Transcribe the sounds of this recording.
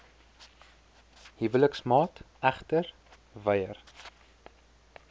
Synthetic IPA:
hivələksmɑːt | æχtər | vəjər

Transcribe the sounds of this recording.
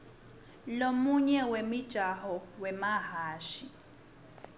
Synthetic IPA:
lomuɲɛwemid̥ʒ̥ʱaɦɔwɛmaɦaːʃi

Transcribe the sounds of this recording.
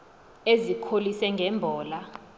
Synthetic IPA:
ezikʰolisɛŋɡʱɛːmbʱɔːla

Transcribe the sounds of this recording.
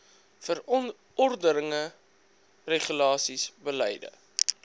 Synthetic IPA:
fəɾɔn | ɔrdəɾəŋə | reχylɑːsisbəlɛ̰jdə̰

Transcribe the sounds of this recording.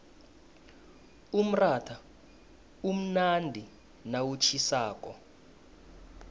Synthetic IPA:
um̩ratʰa | um̩nandʱi | nawut͡ʃʰisaːk̬ʼɔ

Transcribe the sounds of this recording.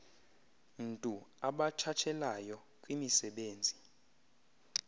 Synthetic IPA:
ntʼuaɓat͡ʃʰat͡ʃʰɛlajɔ | kʼwimisɛɓeːnd͡zʱi

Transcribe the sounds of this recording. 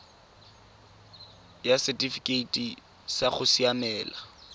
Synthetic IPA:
jasɛtʼifikʼeitʼi | saχʊsiamɛːla

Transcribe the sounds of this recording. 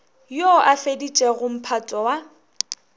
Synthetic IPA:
jɔʔafedit͡ʃʼɛɣʊm̩pʰatʼɔwa

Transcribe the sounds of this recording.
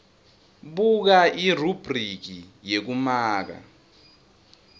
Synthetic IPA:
ɓuk̬aʔirub̥ʱrik̬ijek̬umaːk̬a̰

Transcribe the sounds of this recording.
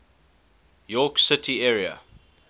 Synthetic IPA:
jɔːksɪtʰiɛɹiə̰

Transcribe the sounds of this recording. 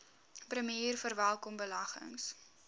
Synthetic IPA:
prəmiiːrfərvælˠkɔmbəlɐχə̰ŋs

